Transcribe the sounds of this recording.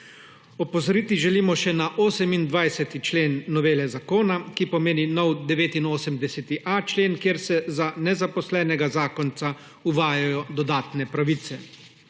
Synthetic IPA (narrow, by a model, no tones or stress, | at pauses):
ɔpɔzɔɾiːt̪iʒɛliːmɔʃɛnaʔoːsɛmind̪ʋajsɛt̪it͡ʃleːnːɔʋeːlɛzakoːnakipɔmeːninɔwd̪ɛʋeːt̪inoːsəmd̪ɛsɛt̪iʔat͡ʃleːnkjeːɾsɛzanɛzapɔslɛːnɛɡazaːkɔnt̪sa | uʋaːjajɔd̪ɔd̪aːt̪nɛpɾaʋit̪sɛ